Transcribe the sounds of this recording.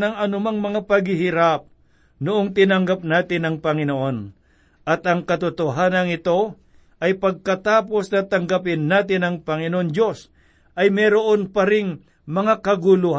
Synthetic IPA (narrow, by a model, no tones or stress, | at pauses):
nɐŋɐnʊmaŋmɐŋapɐɡhɪhɪɾap̚ | nʊʔoŋt̪ɪnɐŋɡap̚naːt̪ɪnɐŋpɐŋɪnoʔo̞n | ʔɐt̪ɐŋkɐt̪ʊt̪oɦaːnɐŋɪt̪o̞ | ʔɐjpɐɡ̚kɐt̪aːpo̞snɐt̪ɐŋɡap̬ɪnːaːt̪ɪnɐŋpɐŋɪnoʔondo̞s | ʔɐjmɛɾoʔo̞npɐɾɪŋ | mɐŋakɐɡʊlʊh